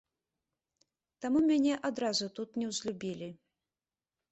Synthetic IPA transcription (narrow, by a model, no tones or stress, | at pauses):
t̪amumʲanʲɛʔad̪ɾazut̪ut̪nʲɛwzʲlʲubʲilʲi